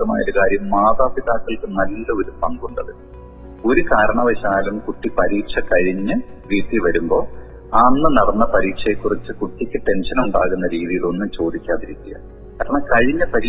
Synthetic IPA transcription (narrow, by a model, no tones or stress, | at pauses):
ɐma̰ːjɐɾukaːɾjɐmːaːðaːpiðaːkːɐlkɨnɐlːɐo̞ɾupɐŋɡuɳɖɐðɨ | o̞ɾukaːɾɐɳɐʋɐɕaːlumkuʈːipɐɾiːkʂɐkɐɻiɲːɨʋiːt̪ːiʋɐɾumbo̞ː | aːnːɨnɐɽɐnːɐpɐɾiːkʂɐjekːurit͡ɕːɨkuʈːikʲːɨʈe̞nʂɐnuɳɖaːɣunːɐɾiːðijilo̞nːumt͡ɕo̞ːd̪ikʲːaːðiɾikʲːija̰ː | kkaːɾɐɳɐmkɐɻiɲːɨpɐɾiː